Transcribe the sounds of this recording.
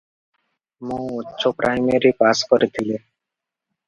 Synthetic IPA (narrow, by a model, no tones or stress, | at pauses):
mõutːʃʰopɾʔajmeɾipaskɔɾet̪ʰile